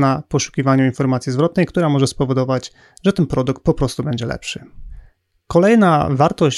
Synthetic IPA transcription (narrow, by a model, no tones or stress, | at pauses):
napɔʂu̥kʲivaɲuinfɔɾmat̪sʲjizvɾɔt̪̚nɛjkt̪uɾamɔʐɛspɔvɔd̪ɔvad͡ʑ | ʐɛt̪ɛnpɾɔd̪ukt̪̚pɔpɾɔst̪ubɛɲd͡ʑɛlɛ̰pʂɘ | kɔlɛjnavaɾt̪ɔɕ